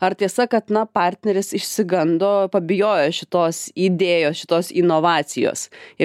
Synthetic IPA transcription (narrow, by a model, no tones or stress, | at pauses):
ɐrt̪ʲiɛsɐkɐt̪nɐpɑːrʲt̪ʲnʲɛɾʲɪsɪʃʲsʲɪɡɐnd̪oːpɐbʲɪjoːjoːʃʲɪt̪oːsid̪ʲeːjoːsʃʲɪ̥t̪oːsinoːʋɑːsʲɪjo̰ːsɪ